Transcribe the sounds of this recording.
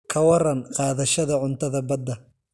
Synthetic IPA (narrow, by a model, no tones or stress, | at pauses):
kʰɐwɐrɐnqɑːðɐʃɐðɐʕʊnt̪ʰɐðɐbɐd̪ːɐ